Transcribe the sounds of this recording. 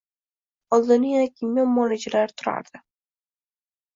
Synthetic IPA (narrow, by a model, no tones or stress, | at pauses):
ɒlˠd̪ɪnɪjanakʲʰɪmjammɒlɪd͡ʒalaɾt̪ʰʊɾa̰ɾd̪̥ɪ